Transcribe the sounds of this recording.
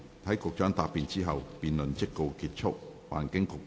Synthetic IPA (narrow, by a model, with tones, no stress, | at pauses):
t̪ʰɐ˨˥jkʊ˨k̚t͡ʃœː˨˥ŋt̪aː˨˧pːiː˨˧nt͡siː˥ɦɐ˨wpiː˨nlɵ˨nt͡sɪ˥kːo˧wkiː˧t̚t͡ʃʰʊ˥k̚wa̰ː˨˩nkɪ˨˥ŋkʊ˨k̚